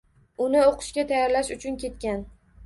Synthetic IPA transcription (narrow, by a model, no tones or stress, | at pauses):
ʊnɪoqʰɨ̥ʃkʲat̪ʰajaɾlaʃʊt͡ʃʰʊnkʲe̞t̪kʲan